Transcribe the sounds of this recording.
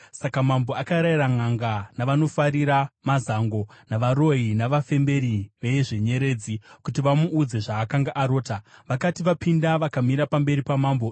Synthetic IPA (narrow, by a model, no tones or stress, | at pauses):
sakamambo̞akaɾairaŋaŋɡanaʋano̞faɾiɾamazaŋɡo̞naʋaɾo̞ɦinaʋafe̞mbe̞ɾiʋeʐeɲe̞ɾe̞ːd͡zikutiʋamuːd͡ze̞ʐaːkaŋɡaʔaɾo̞ːtaʋakatiʋapindaʋakamiɾapambe̞ɾipamaːmbo